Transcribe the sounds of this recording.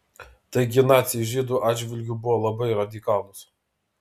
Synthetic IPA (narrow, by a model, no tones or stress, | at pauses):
t̪ɐɪɡʲɪnɑːt̪sʲɪjʒʲiːd̪uːʔɑːd̪d͡ʒʲʋʲɪlʲɡʲʊbʊʋɔlˠɐbɐɪɾɐd̪ʲɪkɑːlˠʊs